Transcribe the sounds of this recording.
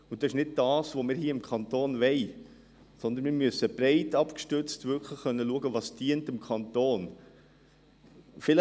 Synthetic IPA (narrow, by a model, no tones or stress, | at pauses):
ʊnd̥ɑsɪʃnɪd̚d̥ɑːsʋomɪːɾhiːəɪmkʰɑnt̪oːnvɛɪ | sɔnd̪ənmɪːɾmyəsəbɾɛɪtɑpkʃtʏt͡stvʏkʰləχːœnːəluəɡəʋɑːsd̥iəntɪmkʰɑntoːn | fɪl